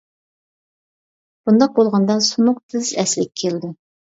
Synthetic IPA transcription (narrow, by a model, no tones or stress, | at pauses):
b̥und̪ɑq̚bolˠʁɑnd̪ɑsunʊq̚t̪ʰɪzɛslɪkʲkʲʰeld̪ɪ